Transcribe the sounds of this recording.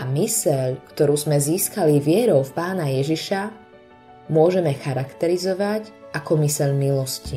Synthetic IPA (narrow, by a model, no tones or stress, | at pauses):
ʔamisɛʎkt̪ɔɾuːzmɛziːskaliʋɪɛɾɔʊfpaːnajɛʒiʃa | mʊɔʒɛmɛxaɾakt̪ɛɾizɔʋacʔakɔmisɛʎmilɔsci